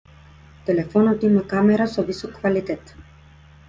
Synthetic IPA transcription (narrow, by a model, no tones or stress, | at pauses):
t̪ɛlɛfɔnɔt̪imakamɛɾasɔvisɔkːvalit̪ɛt̪